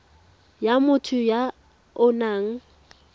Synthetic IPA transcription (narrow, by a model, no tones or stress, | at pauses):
jamʊtʰʊja | ʊnaːŋ̩